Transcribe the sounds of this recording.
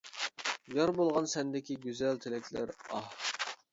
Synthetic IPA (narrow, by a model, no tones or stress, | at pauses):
ɡɑɾbolˠʁɑnsɛnd̪ɪkʲiɡʲyzælt̪ʰɪlɛkʲʰlæ̰ɾɑh